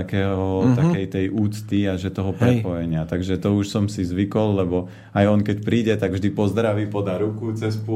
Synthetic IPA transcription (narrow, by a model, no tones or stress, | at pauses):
akɛːɦɦɔt̪akɛjt̪ɛjʔuːt͡st̪iaʒɛt̪ɔɦɔpɾɛpɔjɛɲɪat̪aɡʒɛt̪ɔuʃsɔmsizʋikɔlːɛbɔ | ajɔnkɛcpɾiːɟɛt̪aɡvʒd̪ipɔzd̪ɾaʋiːpɔd̪aɾukut͡sɛsp